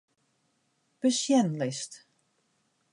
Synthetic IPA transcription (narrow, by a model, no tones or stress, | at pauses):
b̥əsjɛnlɪst